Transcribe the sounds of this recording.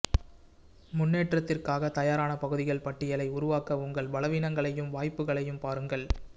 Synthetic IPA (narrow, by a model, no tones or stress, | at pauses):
mʊnːeːʈrɐt̪ːɪrkaːɣɐt̪ɐjaːɾaːnɐpɐɣɯðɪɣɐɭpɐʈːɪjɐlɐɪʊɾʊʋaːkɐʊŋɡɐɭbɐlɐʋiːnɐŋɡɐɭɐjɯmʋaːjpːɯɣɐɭɐjɯmpaːɾɯŋɡɐɭ